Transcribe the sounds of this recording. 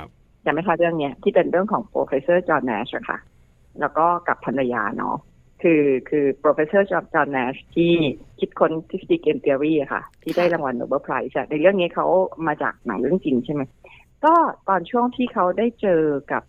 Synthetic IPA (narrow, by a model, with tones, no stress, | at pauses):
jaː˨˩ma˥˩jt̪ʰa˥˩ɾɯ˥˩əŋni˦˥ɐt̪ʰiː˥˩pe˧nɾɯ˥˩əŋkʰɔː˩˦ŋpɾo̰ː˧fe˧˥sɤː˥˩t͡ɕɔː˧nːɛ̰ː˦˥sʔa˨˩kʰa̰˥˩ | lɛː˦˥wkɔː˥˩ka˨˩pʰːa˧nɾa˧ja̰ː˧nɔ̰˦˥ | kʰɯː˧kʰɯː˧pɾoː˧fe˧˥sɤː˥˩t͡ɕɔ˧t͡ɕɔː˧nːɛː˦˥st̪ʰiː˥˩kʰi˦˥t̪̚kʰo˦˥nt̪ʰi˦˥sti˧˥k̚ʔeː˧mt̪i˧əɾiː˥˩ʔa˨˩kʰa̰˥˩t̪ʰiː˥˩daː˥˩jɾa˧ŋwa˧nʔo̰˧bəː˧˩pʰɾa˦˥jsʔa˧˩na˧jɾɯ˥˩əŋni˦˥kʰa˦˥wmaː˧t͡ɕa̰ː˨˩k̚na̰˩˦ŋɾɯ˦˥˩əŋt͡ɕi˧ŋt͡ɕʰa˥˩jma˦˥j | kɔː˥˩t̪ɔː˧nt͡ɕʰu˥˩əŋt̪ʰiː˥˩kʰa˦˥wdaː˥˩jt͡ɕɤː˧ka˨˩p̚